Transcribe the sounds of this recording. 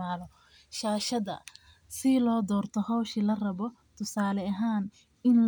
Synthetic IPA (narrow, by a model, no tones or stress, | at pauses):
aːlɔ | ʃaːʃɐðɐ̰ | sɪlɔːd̪ɔːrt̪ʰɔhɔwʃilɐrɐβɔ | t̪ʰʊsaːlɛɐɦaːn | ɪnl